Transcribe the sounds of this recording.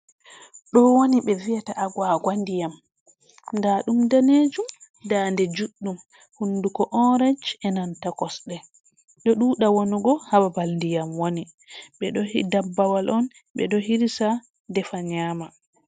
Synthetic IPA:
ɗɔwoniɓɛviataʔaɡwaɡwandijam | ndaɗumdaned͡ʒum | dandɛd͡ʒuɗːum | hunːdukɔʔɔɾad͡ʒɛnantakɔsɗɛ | ɗɔɗuɗawonuɡɔhababalndijamwoni | ɓɛɗɔhidabːawalʔɔn | ɓɛ̰ɗɔhiɾisa | dɛfaɲama

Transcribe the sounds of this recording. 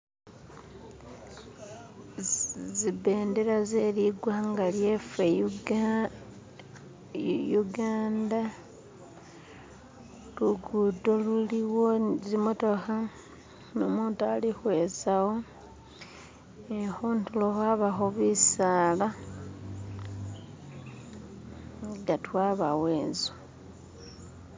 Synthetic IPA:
zibe̞ːndeɾazeliɡwaŋɡalje̞fe | juɡaːnda | luɡudoluliwo̞zimuto̞xa | nomuːntualixwe̞zawo | exuːntuloxaβaxoβisala | ɡatwaβawe̞ːnzo

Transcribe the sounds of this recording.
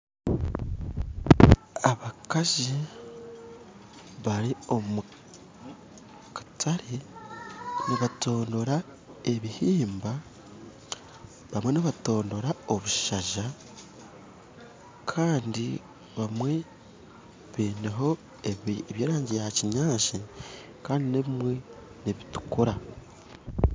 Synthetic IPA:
aβakaʒi | βaɾio̞mu | kḁtʰaɾe | niβato̞ːndo̞ɾa | e̞βihiːmba | βamwe̞niβato̞ːndo̞ɾao̞βuʃaʒa | kʰaːndi | βamwe̞ | βeːneɦo̞ | eβjeːɾaːɲɟejaciɲaːʃi | kaːndineβimwe̞ | neβitu̥koɾa

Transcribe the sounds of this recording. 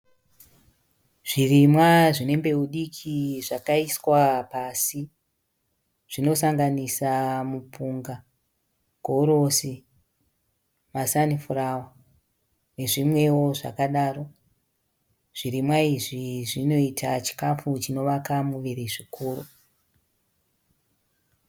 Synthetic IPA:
ʐ̥irimwaʐine̞mbe̞uɗikʰiʐakaiswapasi | ʐ̥ino̞saŋɡanisamupuŋɡa | ɡ̥ʱoɾo̞si | masanifurawa | ne̞ʐimwe̞wo̞ʐa̰kaɗaːro̞ | ʐ̥iɾimwaiʐiʐino̞itʰat͡ʃi̥kafut͡ʃino̞ʋakamuʋiɾiʐikuːrṵ

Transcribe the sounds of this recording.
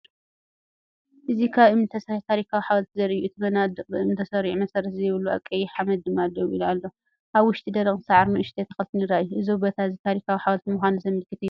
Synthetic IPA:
ʔɨzikʰaβɨmnt̪ʰɐsɐt̪ʰaɾikʰawiħawɐlt̪ʰizɐɾɨjːuɨt̪ʰɨmɐnad̪ɨqʼɨɨmnt̪ʰɐsɐɾiʕmɐsɐɾɐt̪zɐjɪβɨlːuʔa̰kʼːɐjiħamɐd̪ːɨmad̪ɐβilualːo | ʔaβwʊʃt̪ʼid̪ɐɾɐχʼnɨsaʕaɾnuʔɨʃt̪ʰʼet̪ʰɐ̥xɐlt̪ɨnɨɾajuʔɨzobɐt̪ʰaɨzit̪ʰaɾikʰawiħawɐlt̪imuxʷanuzɐmːɨlkɨt̪ɨjːu

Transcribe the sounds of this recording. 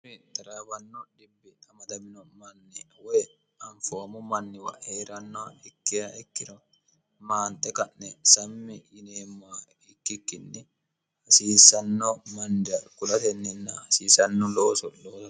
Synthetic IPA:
ɪt̪ɐɾaːbɐnːɔᶑɪbɪtɐmɐd̪ɐmɪnɔmɐnːɛwɔj | ɐɱfomʊmɐnːɪwɐ̰ʔheːɾɐnːɔɛkːɪɾɐɛkːɪɾɐ | maːnt̪ʼːɛkɐnnɛsɐmːɪjɪneːmːa | ɪkːɪkːɪnːɛ | hɐsiːsːɐnːɔmɐnd̪ɐkʊlɐt̪ɛnːɪnːɐɐsiːsɐnːɔloːsɔloː

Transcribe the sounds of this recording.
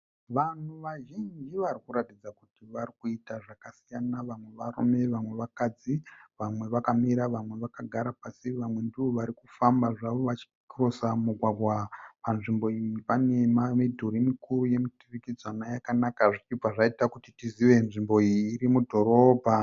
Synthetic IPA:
ʋan̤uʋaʒind͡ʒiʋaɾikuɾatid͡zakutiʋarikuitaʐakasijanaʋamwe̞ʋarṵme̞ʋamwe̞ʋakad͡ziʋamwe̞ʋakamiɾaʋamwe̞ʋakaɡʱaɾapasiʋamwe̞ndiʋo̞ʋaɾikufambaʐaʋo̞ʋat͡ʃi̥kkirosamuɡʱwaɡʱwapanʐimbo̞ijipane̞mamedʱuɾimikuruje̞mutirikid͡zwanajakanakaʐit͡ʃipaʐaitakutitiziʋe̞nʐimbo̞ijiːɾimudʱo̞ɾo̞bʱa

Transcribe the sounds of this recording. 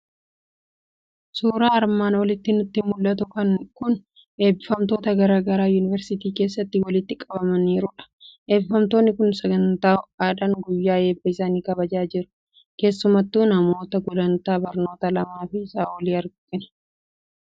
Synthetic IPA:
suːɾaːɐɾmaːnwɐlɪt̪ːɪnʊt̪ːɪmʊlːɐt̪̬ʊkɐŋkʊn | e̞ːbɪfɐmt̪o̞ːt̪ɐɡɐɾaːɡɐɾaːjuːnɪvɛɾsɪt̪iːke̞ːsːɐt̪ːɪwɐlɪt̪ːɪkʼɐbɐmɐniːɾʊᶑɐ̥ʔe̞ːbɪfɐmt̪oːnːɪkʊnsɐɡɐnt̪aːaːᶑ̪ɐŋɡʊjːaːe̞ːbɐɪsaːniːkɐbɐd͡ʒaːd͡ʒɪɾʊ̥ | ke̞ːsːʊmɐt̪ːuːnɐmo̞ːt̪ɐɡʊlɐnt̪aːbɐɾno̞ːt̪ɐlɐmaːfɪɪsaːwɔliːɐɾɡʔɪnɐ̥

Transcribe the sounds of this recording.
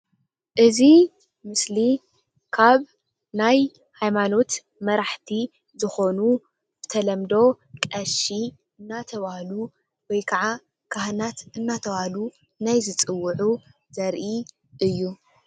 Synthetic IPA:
ʔɨzi | mɨsli | kʰaβ | naj | hajmano̞t̪ | mɐɾaħt̪ʰi | zɨxo̞nu | b̥ɨt̪ʰɐlɐmd̪o̞ | kʼɐʃi | ʔɨnːat̪ʰɐβahlu | wɔjkʰɐʕa | kʰaɦnat̪ɨnːat̪ʰɐβahlu | najzɨt͡sʼɨwːʊʕu | zɐɾʔi | ʔɨjːu

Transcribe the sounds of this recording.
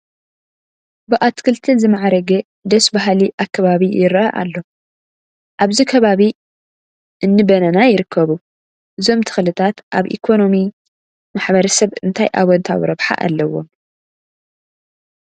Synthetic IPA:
bɨʔat̪kʰɨlt̪ʰɨzɨmaʕaɾɐɡe | d̪ɐsbaɦliʔakːɐβaβijɪɾʔɐʔa̰lːo̞ | ʔaβzikʰɐβaβi | ʔɨnːɨbɐnɐnajɪɾɨkʰːɐβu | ʔɨzo̞mt̪ʰɨ̥xlɨt̪ʰat̪ʔaβʔḭkʰo̞no̞mi | maħbɐɾɐsɐβɨnt̪ʰajʔa̰βwɐnt̪ʰa̰w̰ɾɐβħa̰ʔa̰lːɐwo̰m

